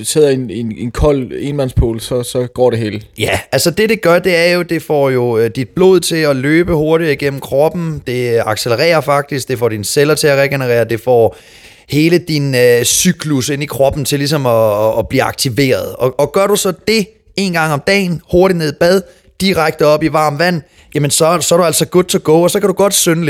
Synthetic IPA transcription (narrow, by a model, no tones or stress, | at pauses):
seð̰ˠɐenenenkʰɒl̰e̝nmænspʰo̝ːlsɒ̽sɒ̽ɡ̥ɒ̰ːɾe̝ɦe̝̰ːljæælsɒd̥e̝ɾe̝ɡ̥ɶɐd̥e̝æɐjo̝d̥e̝fɒ̰ːjo̝d̥id̥̚b̥lo̝ːð̞̰ˠt͡sʰe̝ɒ̽løːb̥əho̝ɐɾi̥iɡ̥en̰m̩kʰʁɒ̽b̥n̩d̥e̝ɑ̈ɡ̥seləʁɛ̰ːɐfɑ̈ɡ̥̚d̥isɡ̥̚d̥e̝fɒ̰ːd̥inselɐt͡sʰe̝æʁɛɡ̥enəʁɛ̰ːɐd̥e̝fɒ̰ː | he̝ːləd̥inøsyɡ̥luse̝n̰ikʰʁɒ̽b̥n̩t͡sʰe̝lis̬ɒ̽mɒːb̥liːɑ̈ɡ̥̚t͡sʰiʋe̝̰ːɐð̞ˠɒ̽ɒ̽ɡ̥ɶɐɾusɒ̽d̥e̝ | e̝ːnɡ̥ɑ̈ŋ̰ɒ̽md̥ɛ̰ːnho̝ɐɾine̝ð̰ˠb̥æð̞ˠ | d̥iʁaɡ̥̚d̥əɒ̽b̥iʋɑ̈ːmʋæn̰ | jæmənsɒ̽sɒæɐɾ̥uælsɒ̽ɡ̥ɔd̥t͡sʰeɡ̥ɔ̰ːɒsɒ̽kʰæɾuɡ̥ɒ̽d̥sønəl